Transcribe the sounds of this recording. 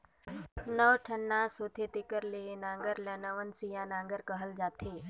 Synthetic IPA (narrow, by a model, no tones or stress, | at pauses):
nəwʈʰənːãsoːt̪ʰet̪ekəɾleːnãːŋɡəɾlɛːnaʋənsijãːnãːŋɡəɾkəɦəld͡ʒaːt̪ʰeː